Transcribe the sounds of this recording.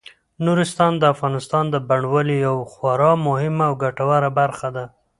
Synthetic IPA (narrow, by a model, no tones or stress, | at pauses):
nuɾɪst̪ɑnd̪əafɣɑnɪst̪ɑnd̪əbaɳwəlijawxwaɾɑmʊhɪmaːwɡaʈawaɾabaɾxad̪a